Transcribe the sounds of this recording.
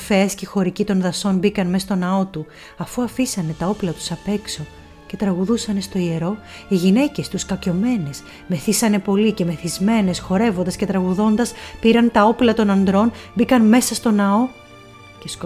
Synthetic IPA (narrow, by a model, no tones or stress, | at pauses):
feescexo̞ɾicit̪o̞nðɐso̞nbikɐnme̞st̪o̞nɐo̞t̪u | ɐfuɐfisɐne̞t̪ɐo̞plɐt̪u̥sɐpe̞kso̞ | ce̞t̪ɾɐɣuðusɐne̞st̪o̞ie̞ɾo̞ | iʝine̞ce̞st̪uskɐco̞me̞ne̞s | me̞θisɐne̞po̞lice̞me̞θizme̞ne̞sxo̞ɾe̞vond̪ɐsce̞t̪ɾɐɣuðo̞nd̪ɐspiɾɐnt̪ɐo̞plɐt̪o̞nɐnd̪ɾo̞nbikɐnme̞sɐst̪o̞nɐo̞ | cesk